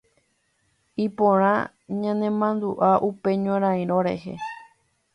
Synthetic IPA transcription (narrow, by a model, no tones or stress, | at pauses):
ipõɾ̃ã | ɲãnẽmãnd̪uʔaʔupe̞ɲõɾ̃ãĩɾ̃õɾḛhḛ